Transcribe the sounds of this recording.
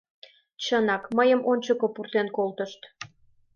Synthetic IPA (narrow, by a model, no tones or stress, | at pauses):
t͡ɕənɑkməjəmʔonʲt͡ɕokopurt̪enkolt̪əʃt̪